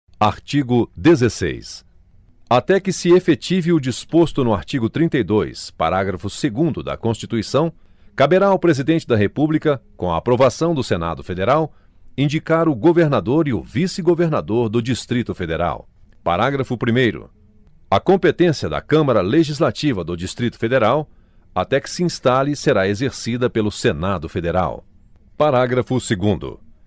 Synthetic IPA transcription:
aɾt͡ʃiɡʊd̪ezesḛjs | at̪ɛkɪsɪefet͡ʃivɪʊd͡ʒispost̪ʊnʊaɾt͡ʃiɡʊt̪ɾĩnt̪ejd̪ojspa̰ɾaɡɾɐfʊseɡũnd̪ʊd̪ɐ̰kõst͡ʃit̪uisɐ̃w̃ | kabeɾaʊpɾezid̪ẽnt͡ʃɪd̪ɐɦepublikɐkõɐ̰apɾovasɐ̃w̃d̪ʊsena̰d̪ʊfed̪eɾaw | ĩd͡ʒikaɾʊɡoveɾnad̪oɾiʊvisɪɡoveɾnad̪oɾd̪ʊd͡ʒist̪ɾit̪ʊfed̪eɾa̰w | pa̰ɾaɡɾɐfʊpɾimejɾʊ̰ | ɐkõmpet̪ẽsiɐd̪ɐ̰kɐ̃mɐɾɐleʒizlat͡ʃivɐd̪ʊd͡ʒist̪ɾit̪ʊ̥fed̪eɾaw | at̪ɛkɪ̥siĩst̪aliseɾaezeɾsid̪ɐpelʊsenad̪ʊfed̪eɾa̰w | paɾaɡɾɐfʊseɡũnd̪ʊ̰

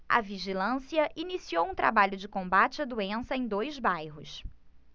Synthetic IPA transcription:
ɐ̰viʒilɐ̃siɐʔinisiowũt̪ɾa̰baʎʊd͡ʒɪkõmbat͡ʃɪɐd̪uẽsɐẽj̃d̪ojzbajɦʊs

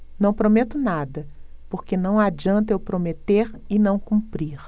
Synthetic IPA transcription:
nɐ̃w̃pɾomet̪ʊnad̪ɐpoɾkenɐ̃w̃ad͡ʒiɐ̃nt̪ewpɾomet̪eɾɪnɐ̃w̃kũpɾiɾ

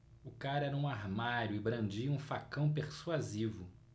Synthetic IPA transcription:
ʊkaɾɛɾɐũaɾmaɾjʊɪbɾɐ̃nd͡ʒiɐũfakɐ̃w̃peɾsuazivʊ

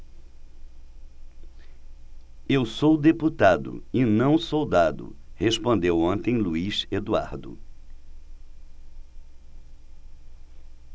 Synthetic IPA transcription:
ewsowd̪eput̪ad̪ʊ̰ɪnɐ̃w̃sowd̪ad̪ʊ̰hespõnd̪ewõnt̪ẽj̃luiʃed̪ua̰ɾd̪ʊ̰

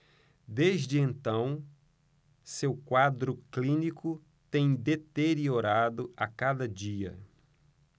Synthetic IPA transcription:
d̪ezd͡ʒɪẽnt̪ɐ̃w̃ | sewkwad̪ɾʊklĩnikʊ | t̪ẽj̃d̪et̪eɾioɾad̪ʊakad̪ɐd͡ʒiɐ̰

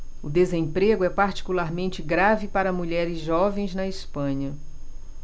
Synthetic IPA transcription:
ʊd̪ezẽpɾeɡʊɛpaɾt͡ʃi̥kulaɾmẽnt͡ʃɪɡɾavɪpaɾɐmuʎɛɾɪzʒɔvẽj̃znɐispɐ̃ɲɐ

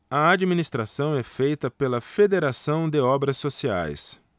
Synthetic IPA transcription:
ɐad͡ʒminist̪ɾasɐ̃w̃ɛfejt̪ɐpelɐfed̪eɾasɐ̃w̃d̪ɪɔbɾɐsːosia̰js

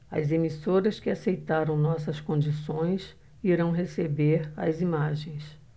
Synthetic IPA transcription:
ɐ̰zemisoɾɐskɪasejt̪aɾɐ̃w̃nɔsɐskõd͡ʒisõj̃s | iɾɐ̃w̃ɦesebeɾɐ̰zimaʒẽj̃s

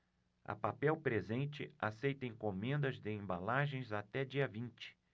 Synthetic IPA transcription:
ɐ̰papɛwpɾezẽnt͡ʃɪasejt̪ẽj̃kõmẽnd̪ɐzd̪ɪẽmbalaʒẽj̃zat̪ɛd͡ʒiɐvĩnt͡ʃɪ̥

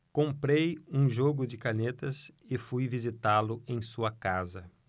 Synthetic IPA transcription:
kõmpɾejũʒoɡʊd͡ʒɪkanet̪ɐsɪfujvizit̪alʊẽj̃suɐkazɐ

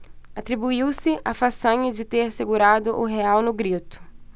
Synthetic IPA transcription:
at̪ɾibuiwsɪʔafasɐ̃ɲɐd͡ʒɪt̪eɾseɡuɾad̪ʊʔʊɦeawnʊɡɾit̪ʊ̥

